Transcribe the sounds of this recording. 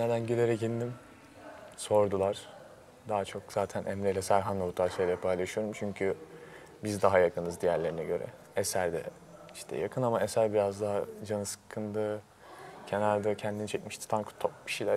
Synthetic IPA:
ned̪ænɟeleɾɛcind̪im | so̞ɾd̪ulˠaɾ̥ | d̪aɦat͡ʃʰo̞kz̥aːt̪ʰænʔɛmɾelʲɛsæɾɦanlˠabut̪ʰaɾsejlʲɛpʰajlˠaʃɯjo̞ɾumt͡ʃʰyɲcʰy | bizd̪aɦajakʰɯnɯzd̪ijæɾlʲe̞ɾinɛɟø̞ɾɛ̰ | esæɾd̪ɛ̰ | iʃt̪ʰɛ̰ja̰kʰɯnamaesæɾbiɾazd̪aɦad͡ʒanɯsɯ̥kʰːɯnd̪ɯ | cʰenaɾd̪ɯcʰɛnd̪init͡ʃʰɛcmiʃt̪ʰi̥t̪ʰankʰu̥t̪ʰːop̚cʰi̥ʃilʲæɾ

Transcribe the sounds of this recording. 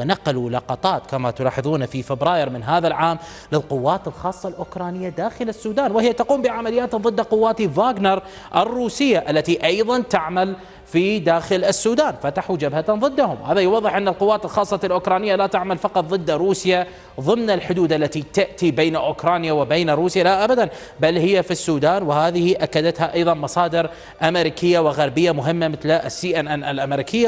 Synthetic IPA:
naqɑlulɑqɑt̪ˤɑːt̪kamat̪ʊlɑːħɨðˤuːnafifɪbɾɑːjɪɾmɪnɦaːðalʕaːm | lɪlqʊwːaːt̪ɪlxɑːsˤːɑlʔʊkɾˤɑːnɪjːad̪aːxɪlɪsːuːd̪aːnwɪhɪjːat̪aquːmbɪʕamalɪjːaːt̪ðˤɨd̪ːaqʊwːaːt̪ivaːɡnɑɾˤ | ʔɪrːuːsɪjːaʔalːat̪iʔɑjðˤɑnt̪aʕmal | fid̪aːxɪlɪsːuːd̪aːnfat̪aħud͡ʒabhaðˤɨd̪ːahʊ̰mwhaːðajʊwɑðˤːɨħʔɪnːalqʊwːaːt̪ɪlxɑːsˤːɑɪlʔʊkɾˤɑːnɪjːalat̪aʕmalfɑqɑt̪ˤðˤɨd̪ːɾuːsja | ðˤɨmnɪlħʊd̪uːd̪ʔalːat̪it̪aʔt̪ibeːnaʔʊkɾˤɑːnjawɪbeːnɾuːsjalaʔabad̪an | balhɪjːafisːuːd̪aːnwɪhaːðɪhiʔakːad̪at̪haʔɑjðˤɑnmɑsˤɑːd̪ɪɾ | ʔamɪɾikʰɪjːawɪɣaɾˤbɪjːamʊɦɪmːamɪθlʔsːiːʔanʔanʔalʔamɾiːkʰɪjːa

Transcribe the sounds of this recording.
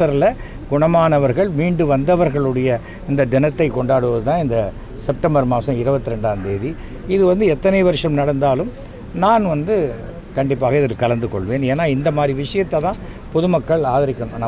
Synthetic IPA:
ɐɾlɐ | ɡʊɳɐmaːnɐʋɐɾɣɐɭmiːɳɖɯʋɐnd̪ɐʋɐɾɣɐɭɯɽɐjɐ | ɪnd̪ɐd̪ɪnɐt̪ːɐɪkːɔɳɖaːɽɯʋɐðɯt̪ãːɪnd̪ɐ | sɛp̚ʈɐmbɐɾmaːsɐ̃mɪɾɯbɐt̪ːɯɾɛɳɖaːnd̪eːʋi | ɪðɯʋɐnd̪ɯɛt̪ːɐnɐɪʋɐɾɯʂɐmnɐɽɐnd̪aːlɯm | naːnʋɐnd̪ɯ | kɐɳɖɪpːaːɣɐɪðɐlkɐlɐnd̪ɯkɔɭʋeːneːnːaːɪnd̪ɐmaːd̪ɾiʋɪʂɐjɐt̪ːɐt̪ãː | pɔðɯmɐkːɐɭaːðɪɾɪkːɐɳʊ̃naː

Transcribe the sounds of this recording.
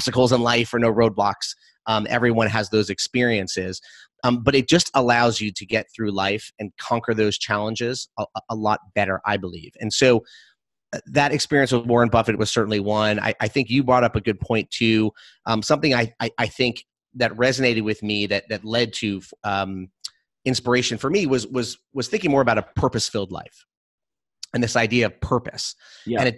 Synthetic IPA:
stɨkl̩ˠzə̃nlaɪfə˞noʊɹoʊd̚blɑks | ʌ̃mɛ̰vɹiwʌ̃nɨzðoʊzɨkspɪɹiɨ̃nsɪz̥ʌbʌɾɨt̚d̥ʒ̥ʌstəlaʊzjɨɾɨɡɛt̪̚θɹʉlaɪfɨ̃nkʰɑ̃ŋkə˞ðoʊz̥t͡ʃʰælˠə̃nd͡ʒɪzəəlɔt̚b̥ɛɾə̰˞ʔa̰ɪbəlḭvɨ̃nsoʊ | ðɨɾɨkspɪɹiɨ̃nswʌzwɔɹɨ̃nbʌfɨt̚wʌz̥sɜ˞ʔn̩liwʌ̃na̰ɪʔaɪθɪ̃ŋkjɨbɹɔɾʌpəɡʊd̚pʰɔ̃ɪ̃ntʰʉ | ʔʌ̃msʌ̃mθɪ̃ŋaɪaɪʔaɪθɪ̃ŋk | ðɨt̚ɹɛzɨneɪɾɨd̚wɨðmiðɨt̪̚ðɨtˡlɛd̚tʰɨʌ̃m | ɪ̃nspə˞eɪʃɨ̃nfə˞miwʌzwʌzwʌz̥θɪ̃ŋkɪ̃ŋmɔɹəbaʊɾəpʰɜ˞pɨsfɪlˠdˡla̰ɪf | ɨ̃nðɪsaɪdiɨʌv̥pʰɜ˞pɨ̰sɨ̃ñɨt

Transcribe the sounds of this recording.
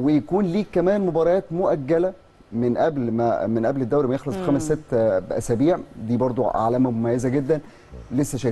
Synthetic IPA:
wejækuːnliːkkːæmæːnmobɑːɾˤɑjɑːt̪moʔæɡːælæ | menʔæblmæ̰menʔæbled̪ːæwɾimæjexlɑsˤfixæːmesːet̪ːbʔæ̰sæːbiːʕd̪iːbɑɾˤd̪ˤoʔa̰ʕlæːmæmomæjːæzæɡed̪ːæn | lesːæʃæj

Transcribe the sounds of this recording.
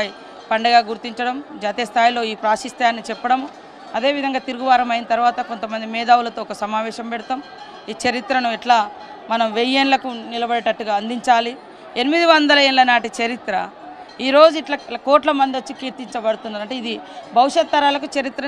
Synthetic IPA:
i | pɐɳɖɐɡaːɡuɾt̪iɲt͡ʃɐɽɐmd͡ʒaːt̪eːst̪ʰaːjlo̞ːiːpɾaːʃist̪ʰjaːnːit͡ʃɛpːɐɽɐm | ɐd̪e̞ːʋid̪ʱɐŋɡaːt̪iɾuɡuʋaːɾɐmɐjinɐt̪ɐɾʋaːt̪ɐko̞nt̪ɐmɐnd̪imɛːd̪aːwulɐt̪o̞ːɔkɐsɐmaːʋɛːʃɐmpeɽut̪am | iːt͡ʃɐɾit̪ɾɐnuɛʈlaː | mɐnɐmʋejeːnlɐkunilɐbɐɽɐʈɐʈːuɡaːɐnd̪iɲt͡ʃaːli | enimid̪iʋɐnd̪ɐlɐeːnlɐnaːʈit͡ʃɐɾit̪ɾɐ | iːɾo̞ːd͡ʒuiʈlɐkoːʈlɐmɐnd̪ot͡ʃːikiːɾt̪iɲt͡ʃɐbɐɽut̪unːaːɾɐɳʈeid̪ibʱɐʋuʂɐt̪ːɐɾaːlɐk̬ut͡ʃɐɾit̪ɾɐ

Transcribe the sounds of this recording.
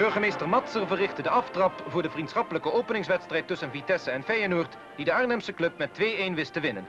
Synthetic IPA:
b̥ɵɹχəmejstəɹmɑtsərvərɪχtədəʔɑftrɑpvʊːɹdəvrintsχɑpələkəʔowpənɪŋsʋɛtstrɛjtːɵsənvitɛsəɛnfɛjənuːɹt | d̥idəaːɹnɛmsəklɵp̚mɛtʋejejnʋɪstəʋɪnən

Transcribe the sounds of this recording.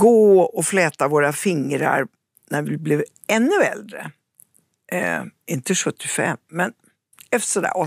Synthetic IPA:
ɡ̥oːɔflɛːt̪avoːɾafɪŋɾa̰ɾ | næɾvɪblɪv | ɛnːɵɛld̪ɾə̰ | ɪnt̪əʂɵt̪ːɪfɛ̰mːɛn | ɛft̪ə̥ʂɔd̪æ̰ːɾɔ

